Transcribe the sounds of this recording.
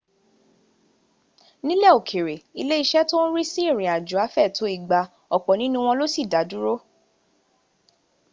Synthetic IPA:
nĩ˦lɛ˦˨o˨kʰe˨ɾe˨i˧le˦i˧ʃɛ˦to˦n̩˦ɾi˦si˦i˦˨ɾ̃ĩ˨a˨d͡ʒu˨a˨˦fɛ˦˨to˨˦i˦˨ɡ͡ba˧ | ɔ˨k͡pɔ˨nĩ˦nũ˦˧w̃ɔ̃˧lo˦si˦˨da˨˦du˦ɾo˦

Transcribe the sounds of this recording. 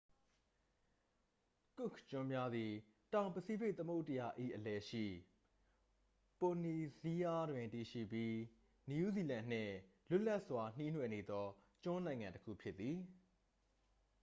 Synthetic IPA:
kʊ˦˨kʰt͡ɕʊ̃˦mja˦d̪i˨ | tã˨ʊ̃mpəsi˦be˦ɪt̪ə˦mo˦ʊtːə˨ja̰˨ʔḭ˦˨ʔəlɛ˨ʃḭ˦˨ | po˨ni˨zi˦ja˦dwɪ̃˨nti˨ʃḭ˦˨pji˦ | ni˨u˦zi˨lã˨n̥ɪ̰̃˦˨lʊ˦ʔla˦ʔswa˨n̥i˦nwɛ˨ne˨d̪ɔ˦ | t͡ɕʊ̃˦nã˨ɪ̃ŋã˨ntəkʰṵ˦˨pʰjɪ˦t̪ːði˨

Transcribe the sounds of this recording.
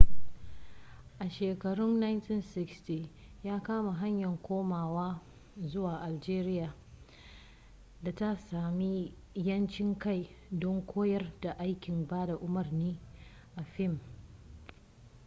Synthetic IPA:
ʔa˨ʃeː˨kɐ˨ɽʊ˦nːa˦jnti˦nsɪ˦ksti˨ | jaː˦kaː˦ma˨ɦa˦ɲjɐ˨ŋkʷʰoː˦maː˨waː˦ | zʊ˦waː˨ʔa˨ld͡ʒeː˦ɾɪ˦jaː˨ | da˨ta˦saː˨mi˦ | jɐ˦nt͡ʃɪ˦ŋka˦˨j | dɔ˦ŋkʷʰoː˦jɐ˦rda˨ʔa˦jkʲɪ˨mbaː˦da˨ʔʊ˦mɐ˨rniː˦ | ʔa˨ɸɪ˦˨m

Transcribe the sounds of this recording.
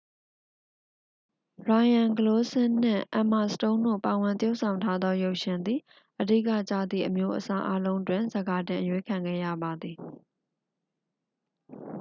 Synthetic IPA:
ɹa˨jã˨ŋɡəlo˦sɪ̃˦n̥ɪ̰̃˦˨ʔã˨ma˨sətõ˦ʊ̃ndo̰˦˨pa˨wɪ̃˨nt̪jo˦ʊʔsʰã˨ʊ̃ntʰa˦d̪ɔ˦jo˦˨ʊʔʃɪ̃˨nd̪i˨ | ʔədḭ˦˨ka̰˦˨t͡ɕä̰˦˨d̪ðḭ˦˨ʔəmjo˦ʔəsa˦ʔa˦lõ˦ʊ̃ntwɪ̃˨nzə˨ɡa˨tɪ̃˨ʔəjwe˦kʰã˨ŋɡɛ̰˦˨jä̰˦˨ba˨d̪i˨

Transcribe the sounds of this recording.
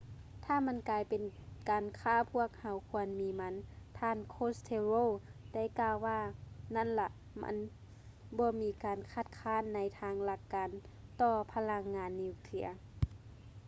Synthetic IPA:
t̪ʰaː˧˩ma˧˥˨nkaː˨˧jpe˨nkaː˨nkʰaː˧˩˨pʰu˧˥˩ək̚ha˨˦wkʰu˧ənmiː˨˦ma˧˥nt̪ʰaː˧˨nkʰoː˧˥˨st̪ʰe˧ɾoː˧˥˨da˧˥˨jkaː˧˨wːaː˧˩na˧˥˨nla˧ʔ | ma̰˧˥n | bɔː˧˦miː˧kaː˨nkʰa˧˩t̪̚kʰaː˧˥˨nːa˨˦jt̪ʰaː˧˥ŋla˧˩kːaː˨n | t̪ɔː˧pʰa˧la˧˥ŋːaː˨˦nːi˧˩˧kʰli˧˥˩ɐ

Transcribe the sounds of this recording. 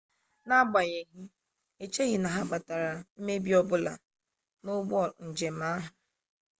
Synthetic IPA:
na˦ɡ͡ba˨ɣe˨ɦi˦ | e˨t͡ʃe˦ɣi˨na˨ɦa˦k͡pa˨ta˨ɾa˨m̩˦me˦bi˦ɔ˦bʊ˦la̰˨ | nʊ˦ɡ͡bɔ˦˨ɾn̩˨d͡ʒe˨m̩a˦ɦa˨

